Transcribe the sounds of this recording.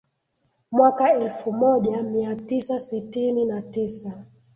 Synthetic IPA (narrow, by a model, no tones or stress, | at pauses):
mwakaɛlfumɔʄamiatisasitininatisa